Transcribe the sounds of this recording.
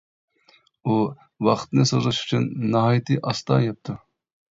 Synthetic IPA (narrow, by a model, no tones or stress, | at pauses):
u | wɑχt̪nɨsozɨʃy̥t͡ʃʰynːɑɦɑjt̪ʰɨʔɑst̪ɑ̰ːjɛp̚t̪ʰu